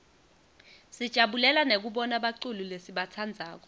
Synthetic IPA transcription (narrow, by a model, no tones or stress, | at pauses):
sid̥ʒ̥ʱaɓulɛlanek̬uɓɔnaɓaǀululesiɓat͡sʰand͡zʱaːk̬ɔ̥